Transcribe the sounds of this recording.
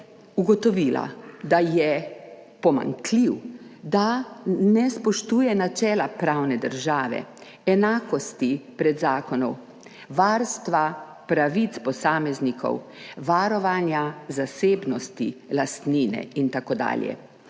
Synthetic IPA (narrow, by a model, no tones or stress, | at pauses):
uɡɔt̪ɔʋiːla̰d̪ajɛ | pɔma̰ŋkliwd̪anɛspɔʃt̪uːjɛnat͡ʃɛːlapɾaːwnɛd̪əɾʒaːʋɛ̰ | ɛnaːkɔst̪ipɾɛd̪zaːkɔnɔw | ʋaːɾst̪ʋa | pɾaʋit̪spɔsaːmɛznikʰɔ̰wʋaɾɔʋanjazaseːbnɔst̪ilast̪niːnɛ̰int̪akod̪a̰ːljɛ̰